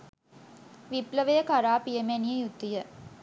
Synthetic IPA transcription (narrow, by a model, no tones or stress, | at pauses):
ʋipləʋəjəkaɾaːpijemænijəjut̪ːijə